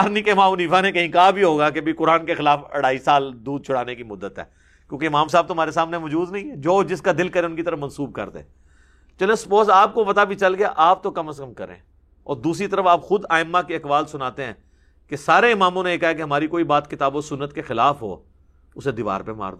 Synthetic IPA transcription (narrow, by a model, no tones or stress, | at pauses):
aɾnĩkemaːmʊniːfanekɐɦĩkaɦabʱiɦoːɡakeɐbʱikʊɾaːnkexɪlaːfɐ̰ɽaːisaːld̪uːd̪̚t͡ʃʰʊɽ̤aːnekimʊd̪ːət̪ɦɛ̰ː | kjõːkeɪmãːmsaːb̚t̪oɦmaːɾes̬aːmneʋɔːd͡ʒuːd̪nɐɦĩɛd͡ʒoːd͡ʒɪskad̪ɪlkɐɾẽʊnkit̪əɾəfmɐnsuːb̚kɐ̰ɾd̪ḛ̃ː | t͡ʃɐlẽspoːsaːp̚kopɐt̪abʱit͡ʃɐlɡea̰ʔaːp̚t̪okɐməskəmkɐɾḛ̃ː | ɔ̰ːɾd̪uːsɾit̪əɾəfaːpxʊd̪aːɪmːakeɐkʋaːlsʊnaːt̪eɦɛ̃ː | kesaːɾeɪmaːmõneeːkaːɦɛkeɦɐmaːɾikoːibaːt̪kɪt̪aːboːɾsʊnːət̪kexɪlaːfɦo̰ː | ʊsed̪ɪʋa̰ːɾpema̰ːɾd̪o